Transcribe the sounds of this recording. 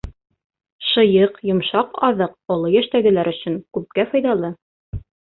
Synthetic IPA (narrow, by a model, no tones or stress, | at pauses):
ʃɤ̆jɤqjŏmʃɑqɑ̰ðɤq̚ŏlˠojæʃt̪æɡɘ̆læɾɵ̆ɕɵŋkʉp̚kæfɑjðɑlˠɤ